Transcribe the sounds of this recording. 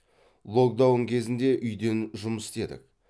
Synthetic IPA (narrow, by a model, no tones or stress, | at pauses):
lˠo̞k̚d̪awəɴkʲʰe̞zɪnd̪e̞ʔʏjd̪e̞nʒʊməsɪ̥t̪e̞d̪ɪ̰k